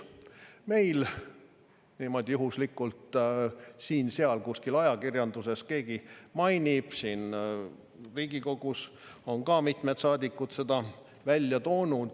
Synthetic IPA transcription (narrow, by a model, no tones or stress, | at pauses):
me̞jl | nimo̞d̪̥ʲjuɦuslikːult̪ | siːnseɑlkuskilɑjɑkirjɑnd̪̥use̞ske̞ːɡ̥imɑjnʲib̥siːn | riːɡiko̞ɡ̥us | o̞nkɑːmit̪ˑme̞t̪sɑːd̪ʲikːˑut̪se̞d̪̥ɑ | vælʲjɑt̪o̞ːnud̪̥